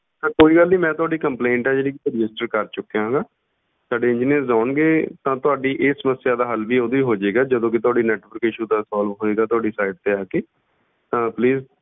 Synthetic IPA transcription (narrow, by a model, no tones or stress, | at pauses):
səɾkoːiːɡəlnĩːmɛ̃ːt̪ʊaːɖiːkəmplẽːɳʈɛːd͡ʒeːɽiːkit̪oɾɪd͡ʒɪsʈəɾkəɾt͡ʃʊkːeːɦãːŋɡaː | saːɖeːɪ̃d͡ʒiːniəɾzaːɳɡeːt̪ãːt̪ʊaːɖiːʔeːsəməsːjaːd̪aːɦəlʋiːoːd̪õiːɦoːd͡ʒeːɡaːd͡ʒəd̪õːk̬ɪt̪ʊaːɖiːnɛːʈʋəɾkɪʃuːd̪aːsaːlʋɦoːeːɡaːt̪ʊaːɖiːsaːɪɖ̚t̪eːaːkeː | t̪ãːpliːz